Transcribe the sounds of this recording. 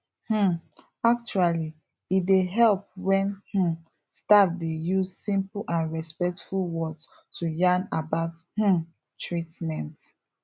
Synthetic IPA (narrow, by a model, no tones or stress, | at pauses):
h̩ | ak̚t͡ʃuali | ideɦɛlp̚wɛ̃nh̩ | stafdejuzsĩmplʔãnɹɛspɛk̚tfulwɔd | tʰujãnabaʊthũ | tɹitmɛ̃nt